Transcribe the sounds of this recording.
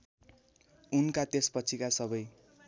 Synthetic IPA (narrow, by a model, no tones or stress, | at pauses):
unkat̪espʌt͡sʰikasʌbʌj